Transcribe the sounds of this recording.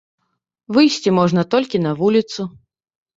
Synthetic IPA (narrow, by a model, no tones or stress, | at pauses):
vɨjsʲt͡sʲimɔʐnɐt̪ɔlʲkʲinɐvulʲit̪su